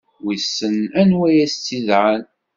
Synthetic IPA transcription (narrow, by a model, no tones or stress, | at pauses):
wisːənænwæjæst͡sːiðʕan